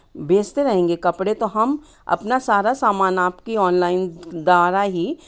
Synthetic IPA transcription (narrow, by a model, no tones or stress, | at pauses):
beːd͡ʒt̪eɾɐɦẽːŋɡekɐpɽet̪oɦɐm | ɐ̰pnasaːɾasaːmaːnaːpkiɔːnlaːɪnd̪aːɾaɦi